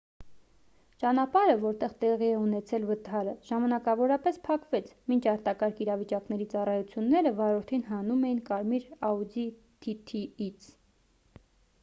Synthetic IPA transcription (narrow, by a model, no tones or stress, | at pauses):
t͡ʃɑnɑpɑɾəvɔɾt̪ɛʁt̪ɛʁiɛunɛt͡sʰɛlvət̪ʰɑɾəʒ̥ɑmɑnɑkɑvɔɾɑpɛspʰɑkvɛt͡sʰmint͡ʃʰɑɾt̪ɑkɑɾkʰiɾɑvit͡ʃɑknɛɾit͡sɑrɑjut͡sʰjunːɛɾəvɑɾɔɾt̪ʰinɦɑnumɛjinkɑɾmiɾɑud̪i | t̪ʰit̪ʰiit͡sʰ